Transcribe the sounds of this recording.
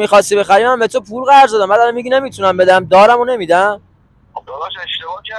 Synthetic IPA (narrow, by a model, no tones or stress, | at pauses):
mixɒsibexæɾimæmbet̪ʰopʰuɾɣæɾzɒd̪æmːæd̪ælamiɟine̞mit̪ʰunæmbe̞d̪æmd̪ɒːɾæmone̞mid̪æm